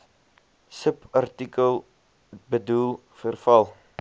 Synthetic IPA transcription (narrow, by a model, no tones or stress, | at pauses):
səpɐrtikəlˠ | bədulˠ | fərfɐlˠ